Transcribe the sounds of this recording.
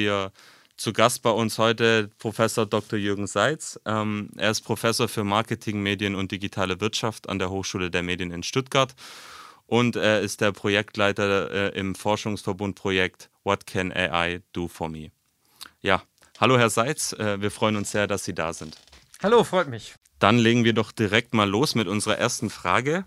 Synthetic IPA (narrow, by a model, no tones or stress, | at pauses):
iːɐ | t͡suɡast̚b̥aɪʊnshɔʏtəpʁ̥ofɛsoːɐdɔk̚tɔɐjʏɐɡŋ̩zaɪt͡sʔɛmʔeːɐɪst̚pʁ̥ofɛsoːɐfyːɐmaɐkətʰɪŋmeːdjənʊnt̚d̥iɡitʰaːləvɪɐtʃafta̰ndeːɐɦoːxʃuːlədeːɐmeːdjənɪnʃtʊt̚ɡ̥aɐt | ʔʊnteːɐɪst̚d̥eːɐpʁ̥ojɛktlaɪtɐɛʔɪ̰mfɔɐʃʊŋsfɛɐbʊnt̚pʁ̥ojɛktvɔtkʰɛnʔḛʔa̰ɪd̥uːfɔɐmḭː | jaː | haloːhɛɐzaɪt͡sɛːviːɐfʁ̥ɔʏənʊnsz̥eːɐdasz̥iːda̰ːzɪnthaloːfʁ̥ɔʏtmɪç | d̥anleːɡŋ̩viːɐdɔχd̥iʁɛk̚tmaːlːoːsmɪtʔʊnzəʁɐʔḛːɐstn̩fʁ̥a̰ːɡə